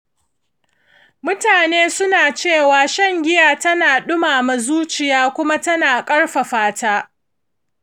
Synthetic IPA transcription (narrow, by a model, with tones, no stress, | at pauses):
mʊ˦taː˨neː˦sʊ˦naː˨t͡ʃeː˦˨waː˨˦ʃɐ˦ŋɡʲɪ˦jaː˨tɐ˦naː˨ɗʊ˦maː˨mɐ˨zuː˦t͡ʃɪ˨jaː˦kʷʊ˦ma˦tɐ˦naː˨kʼɐ˦ɽɸa˨ɸaː˦taː˦